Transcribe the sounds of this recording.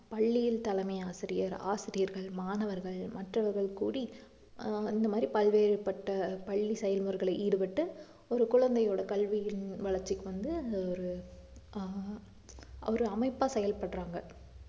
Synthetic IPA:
pɐɭːɪjɪlt̪ɐlɐmɐɪaːsɪɾɪjɐɾa̰ːsɪɾɪjɐɾɣɐɭmaːnɐʋɐɾɣɐɭmɐʈrɐʋɐɾɣɐɭkuːɽi | ɪnd̪ɐmaːd̪ɾipɐlʋeːɾɯpɐʈːɐpɐɭːisɛjɐlmɯɐɾɣɐɭɐɪʔiːɽɯpɐʈːɯ | ɔɾɯkʊɻɐnd̪ɐjoːɽɐkɐlʋɪjɪnʋɐɭɐɾt͡ʃːɪkːɯʋɐnd̪ɯɔɾɯ | ɔɾɯɐmɐɪpːaːsɛjɐlpɐɽɾaːŋɡɐ

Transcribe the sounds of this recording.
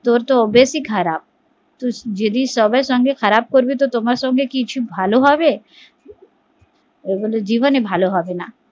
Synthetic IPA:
t̪oɾt̪oɔbesikxʰɐɾaːb̚ | t̪ud͡ʒed̪isɔbəsɔ̃ŋɡʱexɐɾaːb̚koɾbit̪ot̪omaɾasɔ̃ŋɡekit͡ʃʰibʱaːloɦaʋe | eboled͡ʒiːʋənebʱaːloɦaʋena

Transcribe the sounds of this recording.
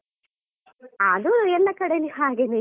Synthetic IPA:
aːd̪uɛlːɐkɐɽelihaːɡenu

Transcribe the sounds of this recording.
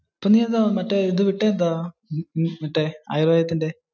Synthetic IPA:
ɐpːoːniːɐðaːmɐʈːeiðɨʋiʈːeːnd̪aː | mɐʈːea̰ːjɾʋaːjɐt̪ːinde

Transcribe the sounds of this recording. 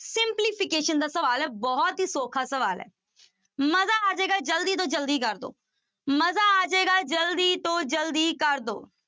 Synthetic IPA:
sɪmpliːpʰɪkeːʃənd̪aːsəʋaːlɛːbɔːt̪ɦiːsoːkʰaːsəʋaːlɛ̰ː | məzaːaːd͡ʒeːɡaːd͡ʒəld̪iːt̪̬õːd͡ʒəld̪iːkəɾd̪o̰ː | məzaːaːd͡ʒeːɡaːd͡ʒəld̪iːt̪õːd͡ʒəld̪iːkəɾd̪o̰ː

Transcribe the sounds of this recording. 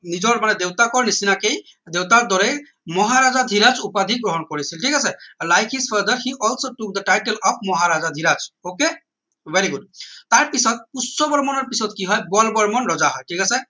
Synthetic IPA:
nid͡ʒɔɽmaned̪ewt̪akɔɾnisinakej | d̪ewt̪aɾd̪ɔɾe | mɔɦaɾad͡ʒad̪ʱiɾat͡ʃupad̪ʱik̚ɡɾɔɦɔnkɔɾisʰilʈʰikasɛlajkhizpʰəɾd̪əɾhiʔɔlsoʈuk̚d̪əʈajʈelɔpʰmɔɦaɾad͡ʒad̪ʱiɾat͡ʃoke | ʋeɾiɡudt̪aɾpisɔt̪̚pussɔbɔɾmɔnɔɾpisɔt̪̚kiɦɔjbɔlbɔɾmɔnɾɔd͡ʒaɦɔjʈʰikasɛ

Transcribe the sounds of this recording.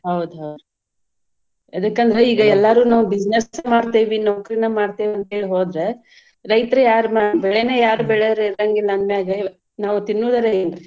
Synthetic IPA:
ɦɐwd̪uɦɐwd̪u | ɐd̪ɐkːɐnd̪ɐɾeiːɡɐɛlːaːɾuːnaːʋubid͡ʒnesmaːɽt̪eːʋinoːkɾinɐmaːɖt̪eːʋiɐnt̪ɦeːɭiɦoːd̪ɾe̞ | ɾɐjt̪ɾejaːɾmabɛɭeneːjaːɾubɛɭeɾɾɐŋɡilːɐːnmeaːɡɐ | naːʋut̪inːuːd̪ɐɾenɾi

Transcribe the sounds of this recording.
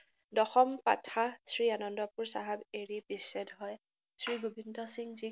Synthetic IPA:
dɔxɔmpa̰tʰasɹianɔndɔpuɹsaɦabeɹibisːɛdɦɔj | sɹiɡubindɔsiŋzi

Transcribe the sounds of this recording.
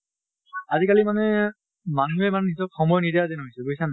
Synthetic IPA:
azikalimanɛ | manuɦɛmanɛnisɔp̚xɔmɔjɔnidiazɛnɦojsɛɡoisan

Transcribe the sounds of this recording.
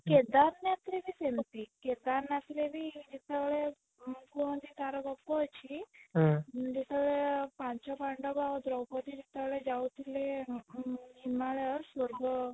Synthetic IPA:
ked̪aɾnjat̪ʰlebʱisent̪iked̪aɾnjat̪ilebʱid͡ʒit̪eʋɭe | kuɦɔnd̪it̪aɾɔɡɔpːɔɔt͡ʃʰiɦd͡ʒit̪eʋɭepãɲt͡ʃɔpaɳɖɔɡaɔd̪ɾɔwpɔt̪id͡ʒit̪eʋɭed͡ʒawt̪ʰile | imaɭɔsɔɾɡɔ

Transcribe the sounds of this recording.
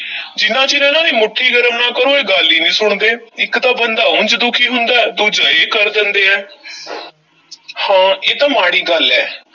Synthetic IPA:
d͡ʒɪnːãːt͡ʃɪnãːnãːniːmʊʈʰːiːɡəɾəmnãːkəɾoːeːɡəlːiːnĩːsʊɳd̪eːɪkt̪aːbənd̪aːʊ̃nd͡ʒd̪ʊkʰiːɦʊnd̪aːɛːd̪uːd͡ʒaːeːkəɾd̪ɪnd̪eːɛː | hãːeːt̪ãːmaːɽiːɡəlɛː

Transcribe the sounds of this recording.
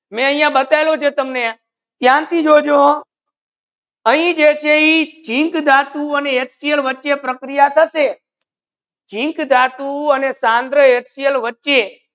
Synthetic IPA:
mɛ̃əj̃ãbət̪ajlot͡ʃʰet̪əmne | t̪jãnt̪id͡ʒod͡ʒo | əɦĩd͡ʒet͡ʃʰeit͡ʃĩŋkd̪ʱat̪uəneeʈsijəlʋətːʃepɾəkɾijat̪ʰəʃe | d͡ʒĩŋkd̪ʱat̪uənesãnd̪ɾəeʈsijəlʋətːʃe

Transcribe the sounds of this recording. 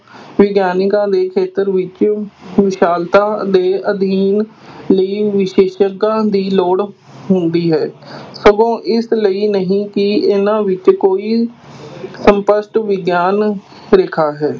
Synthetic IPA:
ʋɪɡjaːnɪkãːd̪eːkʰeːt̪əɾʋɪt͡ʃʋɪʃaːlt̪ãːd̪eːʔəd̪ʱiːn | ləiːʋɪʃeːʃəkãːd̪iːloːɽ | ɦʊnd̪iːɦɛːsəɡõːʔɪsləiːnəɦĩːkɪɪnãːʋɪt͡ʃkoːiː | səmpəsʈʋɪɡjaːn | ɾɪkʰaːɦɛː

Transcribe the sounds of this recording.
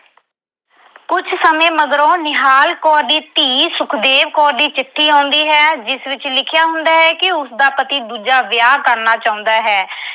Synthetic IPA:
kʊt͡ʃʰsəmẽːməd̪ɾõːnɪɦaːlkɔːɾd̪iːt̪iːsʊkʰd̪eːʋkɔːɾd̪iːt͡ʃɪʈʰːiːãːnd̪iːɦɛːd͡ʒɪsʋɪt͡ʃlɪkʰɪjaːɦʊ̃nd̪aːɦɛːkɪʊsd̪aːpət̪iːd̪uːd͡ʒaːʋjaːkəɾnaːt͡ʃaːʊ̃nd̪aːɦɛː

